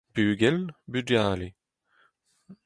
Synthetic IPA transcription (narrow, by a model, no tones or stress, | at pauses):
b̥yːɡɛlbyd͡ʒaːle